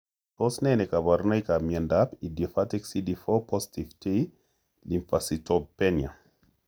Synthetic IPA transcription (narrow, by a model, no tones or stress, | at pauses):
pɔsnɛnɛkabaɾnajkamjɛndapidjɔfatɛksidifɔpʰɔsi̥tivtʰe | limfasitɔb̚pɛnja